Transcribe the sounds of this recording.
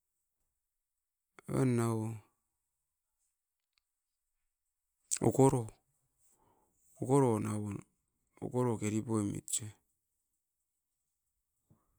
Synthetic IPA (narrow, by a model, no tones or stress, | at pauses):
βa̰nːawo | o̰koɾo | okoɾonawon | o̰koɾokeɾipoemḭt͡ʃe